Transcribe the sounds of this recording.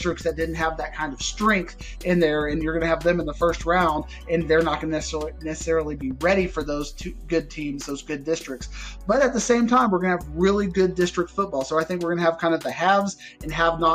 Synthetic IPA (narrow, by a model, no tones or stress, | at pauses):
tɹ̥ɨk̚tsðɨt̚d̥ɪdⁿn̩t̚ɦəvðɨt̚kʰãɪ̃ndʌv̥stɹ̥ɛ̃ŋk̚θ | ɪ̃nðə˞ɨ̃njə˞ɡʌnɨɨvðɨ̃mə̃nðəfɜ˞st̚ɹãʊ̃nd | ɨ̃nðə˞nət̚ɡ̥ʌnnɛsˠinɛsə̥sɛɹl̩ˠibiɹɛɾifə˞ðoʊz̥tʰʉɡʊd̚tʰĩmzðoʊzɡʊdɪstɹ̥ɨk̚tsb̥ʌɾɨt̪̚ðəsẽɪ̃mtʰãɪ̃mwəɹɡʌnəvɹɪlˠiɡʊdɪstɹ̥ɨk̚tfʊt̚b̥ɔlˠsoʊaɪθɪ̃ŋk̬wɨɹɡʌnɨɨv̥kʰãɪ̃ndʌvðɨhævz | ɨ̃nəvnə